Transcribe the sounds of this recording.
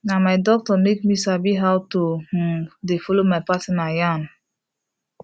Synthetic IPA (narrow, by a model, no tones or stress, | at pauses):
namajdɔk̚tɔnedmisabiɦawto | defɔlomajpatinajan